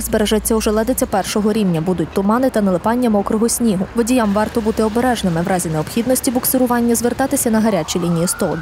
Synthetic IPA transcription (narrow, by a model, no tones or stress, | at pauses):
xzbeɾeʒɐt͡sʲːɐʊʒɛlˠɛd̪et͡sʲɐpɛrʃɔɦɔɾʲiwnʲɐbud̪ʊtʲt̪ʊmɑnɪt̪ɐnɐlˠɪpɑnʲːɐmɔkɾʊɦɔsʲnʲiɦʊʋɔdʲijamʋɑrt̪ɔbut̪ɪɔbeɾɛʒnɪmɪʋɾʔɑzʲineɔpxʲid̪nɔsʲtʲibɔksɪɾʊʋɑnʲːɐzʋert̪ɑt̪ɪsʲɐnɐɦɐɾʲat͡ʃilʲinʲijist̪ɔlˠd̪